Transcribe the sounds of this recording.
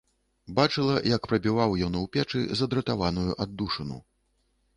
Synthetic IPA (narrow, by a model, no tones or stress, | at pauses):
bat͡ʂɨlˠɐjɐkpɾɐbʲivawjɔnuwpʲɛt͡ʂɨ̰zɐd̪ɾɐt̪avanujuʔad̪ːuʂɐnṵ